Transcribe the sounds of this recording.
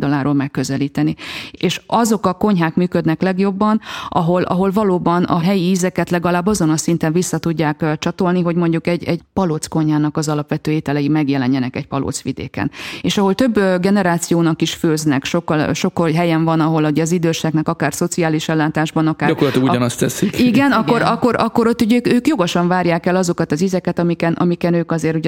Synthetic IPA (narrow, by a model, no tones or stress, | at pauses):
d̪ɒlaːɾoːlmɛkːøzɛliːt̪ɛnieːʃɒzo̞kɒko̞ɲɦaːkmyːkød̪nɛklɛɡjo̞bːɒnʔɒ̰ɦo̞lʔɒ̰ɦo̞lvɒloːbɒnɒ̰ɦɛjiiːzɛkɛt̪lɛɡɒlaːbːɒzo̞nɒsint̪ɛɱvisːɒt̪uɟːaːkt͡ʃɒt̪o̞lniɦo̞ɟmo̞ɲɟukɛɟɛɟpɒloːt̪sko̞ɲɦaːnɒkɒzɒlɒpʋɛt̪øːeːt̪ɛlɛimɛɡjɛlɛɲːɛnɛkɛɟpɒlo̰ːt̪sʋḭd̪ḛːkɛ̰neːʃɒɦo̞lt̪ø̞bːɡɛnɛɾaːt̪sijoːnɒkiʃføːznɛkʃo̞kːɒlʃo̞kːoɦɛjɛɱvɒnɒɦo̞luɟɛɒzid̪øːʃɛknɛkɒkaːrso̞t̪siaːliʃɛlːaːt̪aːʒbɒnɒkaːɾɒkorlɒt̪oɡuɟɒnɒst̪ɛsikiɡɛnɒkːo̞ɾɒkːo̞ɾɒkːo̞ɾot̪ːuɟøːkøːkjo̞ɡoʃɒɱvaːɾjaːkɛlɒzo̞kɒt̪ɒziːzɛkɛt̪ɒmikɛnʔɒ̰mikɛnøːkɒzeːɾuɟ